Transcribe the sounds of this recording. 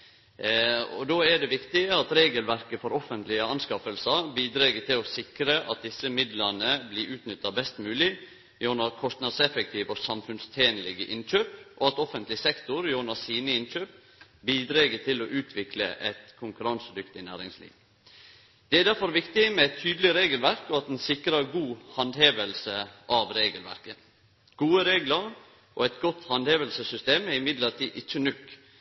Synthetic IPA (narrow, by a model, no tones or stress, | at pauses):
ɔ̰d̪oːɛɖɛʋɪkt̪ɪəɑt̪ɾeːɡəlʋæɾkəfɔɾɔfənt̪lɪəɑnskɑfəlsɑbiːd̪ɾeɡət̪ʰɪlɔsɪkɾəʔɑt̪̚d̪ɪsːəmɪd̪lənəbliːʔʉːt̪nʏt̪ːɑbɛst̪mʉːlɪ | jonɑɾkʰɔst̪nɑd̪sɛfɛk̚t̪ʰiːʋɔsɑmfʉnst̪ʰeːnlɪɡəʔɪnc͡çøːpʔɔɑt̪ɔfənt̪lɪsɛkt̪ʊɾjoːnɑsiːnəɪnt͡ʃøːp̚ | biːd̪ɾeːɡət̪ʰɪloʔʉːt̪ʰʋɪklə̰ʔɛt̪kʰʊŋkʉɾɑnsəd̪ʏkt̪ɪnæːɾɪŋslḭːʋ | d̪̥ɛæd̪æɾfɔɾʋɪkt̪ɪmɛɛt̪ʰyːd̪əlɪɾeːɡəlʋæɾkɔɑt̪ɛnsɪkɾəɾɡuːhɑnd̪heːʋəlsəʔɑʋɾeːɡəlʋæ̰ɾkə | ɡ̥uːəɾeːɡləɾ | ʔoːɛt̪ɡɔt̪hɑnd̪heːʋəlsəsʏst̪eːmæɾɪmɪd̪ləɾt̪ʰiːʔɪt͡ʃːənʉk